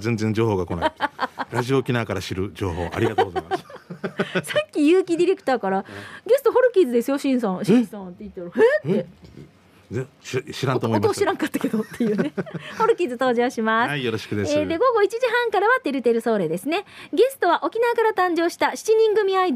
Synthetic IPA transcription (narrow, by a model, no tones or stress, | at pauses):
zẽ̞nzẽɲd͡ʑo̞ːho̞ːɡakona̰ɾaʑioːkʲinaːkaɾaɕiɾɯ̟d͡ʑo̰ːɦo̞̰ːʔa̰ɾʲiɡat̪ːɣzjmas | sakʲːijɯːkʲid̪ʲiɾe̞kɯ̟̥t̪aːkaɾaɡe̞sɨ̥t̪o̞ɦo̞ɾɯ̟kʲiːzɨd̪e̞sɨjoɕĩɰ̃s̬ãɕĩsãnt̪ːe̞it̪ːɾohet̪ːe | eɕiɾãnt̪omoimt̪oːɕiɾãŋkat̪ːḁke̞d̪ot̪ːe̞jɯːneho̞ɾɯ̟kʲiːzɨt̪o̞ːʑooːɕimasaijoɾoɕi̥kɯ̟d̪esed̪e̞ɡo̞ɡo̞it͡ɕiʑiɦãŋkaɾaβat̪e̞ɾɯ̟t̪e̞ɾɯ̟so̞ːɾe̞ːd̪e̞sɨne̞ɡe̞sɨ̥t̪o̞βaʔo̞kʲinaːkaɾat̪ãɲ̟d͡ʑo̞ːɕi̥t̪aɕi̥t͡ɕiɲ̟ĩŋɡɯ̟mʲiaid̪